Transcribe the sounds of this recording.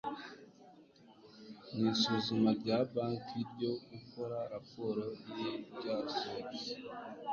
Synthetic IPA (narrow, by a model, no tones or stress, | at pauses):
nisuzumaɾɟaːbaːntʰiɾɟo̞iko̞ɾaɾapo̞ɾo̞ijebɟaːso